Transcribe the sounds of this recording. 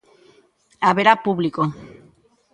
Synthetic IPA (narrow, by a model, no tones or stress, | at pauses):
aβeɾapuβliko